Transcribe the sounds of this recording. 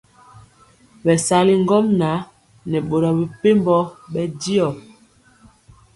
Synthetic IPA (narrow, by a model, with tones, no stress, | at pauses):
bɛ˨sa˨˦li˦ŋ˦ɡɔ˦mna˨˦ | nɛ˨ɓo˨ɾɔ˨bi˨pe˦mbɔ˦ɓɛ˦di˦ɔ˨